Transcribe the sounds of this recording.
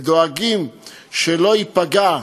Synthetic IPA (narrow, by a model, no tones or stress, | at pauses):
d̪oaɡim | ʃelo̞ipaɡa